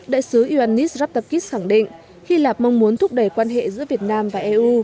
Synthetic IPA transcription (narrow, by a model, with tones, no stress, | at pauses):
ɗa̰ː˧˨jsɨ˨˦ʔi˧˩ʔaː˧nːi˦˥szaː˦˥p̚t̪a˧p̚ki˦˥s̚xa˧˩ŋɗḭ˧˨ŋ̟ | xi˧laː˨˩p̚ma˧wŋ͡mmu˨˦ənt̪ʰʊ˦˥k͡p̚ɗə˧˩jkwaː˧nɦḛ˧˨zɨ̰˧˥əvi˨˩ət̚naː˧mvaː˨˩ʔɛ˧ʔu˧